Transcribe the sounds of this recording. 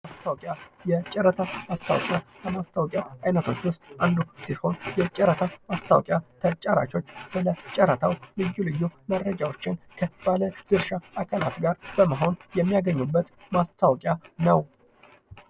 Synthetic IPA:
mast̪ʰawkʼjajɛt͡ʃʼɛɾət̪ʰamast̪ʰa̰wɔ̰kʼja | əmast̪ʰawɔkʼjaʔajnət̪ʰo̞t͡ʃːwʊst̪and̪usiho̞njɛt͡ʃʼɛɾət̪ʰamast̪ʰawɔkʼjat̪ʰət͡ʃʼaɾa̰t͡ʃo̞t͡ʃːsɨlət͡ʃʼɛɾət̪ʰawlɨjːulɨjːumərːəd͡ʒawo̞t͡ʃːɪnkʰəb̥aləd̪̥ɨɾʃaʔːkʰalat̪ɡaɾb̥əməɦo̞njɛmːijaɡəɲːubːət̪ | mast̪ʰawɔkʼjanəw

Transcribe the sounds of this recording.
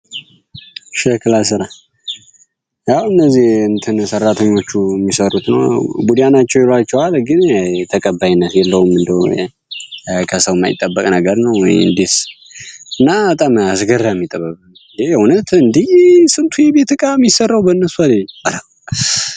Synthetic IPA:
ʃɛkɨlasɨɾa | jawɨnːəzːihɨnt̪ʰɨnsərːat̪ʰəɲːo̞t͡ʃːumːisərut̪nə̰wbud̪janat͡ʃːɛwjɛlʷat͡ʃːɛwalɡɨnt̪ʰəkʼəbːajnːət̪jɛlːəhumɨnd̪ə̰ | kʰəsəwmːa̰jḭt̪ʼːəbːəkʼnəɡəɾnəwːɔ̰jɨ̰nd̪es | ɨnːabət̪ʼamasɡərːajmːit̪ʼəβəβɨn | jejɛhunət̪ʰɨnd̪isɨnt̪ʰujɛbet̪ɨkʼamjisərːawbənːəsualealə

